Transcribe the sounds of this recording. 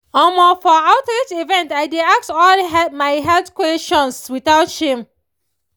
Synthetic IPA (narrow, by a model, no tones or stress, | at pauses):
ɔmofɔaʊtɹetivɛ̃ntaɪdeak̚tɔlɦɛmaɪɦɛltkwɛtɔ̃nswiθaʊtʃhĩm